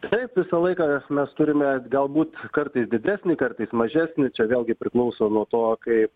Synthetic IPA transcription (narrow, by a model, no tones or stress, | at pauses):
t̪ɐɪpʋʲɪsɐlˠɐɪkɑmʲɛst̪ʊɾʲɪmʲɛɡɐlˠbuːt̪kɐrt̪ɐɪsd̪ʲɪd̪ʲæːsʲnʲikɐrt̪ɐɪsmɐʒʲæːsʲnʲɪt͡ʃʲɛʋʲeːlʲˠɡʲɪpʲɾʲɪklˠɐʊsoːnuɔt̪oːkɐɪp